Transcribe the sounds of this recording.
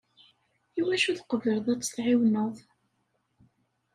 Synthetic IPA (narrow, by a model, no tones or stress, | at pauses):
iwæʃuθqəvəɾðˤæt͡sːə̥θʕɪwnəðˤ